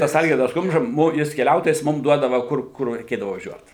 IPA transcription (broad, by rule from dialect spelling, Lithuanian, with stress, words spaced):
ˈtɐs ˈɐlʲɡʲɪrdɐs ˈkʊmʒɐ ˈmʊm ˈjɪs kʲɛˈlʲɛʊtoːjɛs ˈmʊm ˈduɔdɐʋɐ ˈkʊr ˈkʊr rʲɛɪˈkʲeːdɐʋʊ ʋɐˈʒʲuɔt